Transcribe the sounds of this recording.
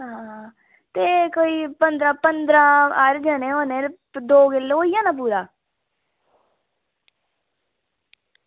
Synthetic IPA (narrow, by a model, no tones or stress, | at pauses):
ɦã | t̪eːkoːiːpənd̪ɾãːpənd̪ɾãːəɾd͡ʒaːnẽːoːnẽː | d̪oːɡɪlːoːiːjãːnãːpuːd̪aː